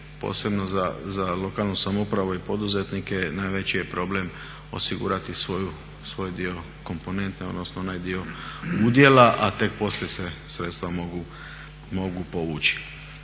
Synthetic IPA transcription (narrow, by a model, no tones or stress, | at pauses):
po̰se̞bnozazalo̞kaːlˠnusamoupɾaʋuipo̞d̪uzet̪nike̞naːjʋe̞t͡ɕije̞pɾo̞ble̞m | o̞̰siɡṵːɾat̪isʋoju | sʋo̞jd̪io̞ | ko̞mpo̞ne̞nt̪neo̞d̪nosnoonajd̪io̞ud̪je̞laʔat̪e̞k̚po̞slje̞sesɾe̞t̪st̪ʋamoɡu | mo̞ɡupo̞ʋuːt͡ʃi̥